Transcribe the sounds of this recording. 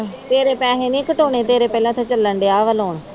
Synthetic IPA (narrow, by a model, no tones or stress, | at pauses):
t̪eːɾeːpɛːɦeːnĩːkəʈoːɳeːt̪eːɾeːpɛːlãːt̪ʰãːt͡ʃəlːəɳɖeːaːʋəloːɳ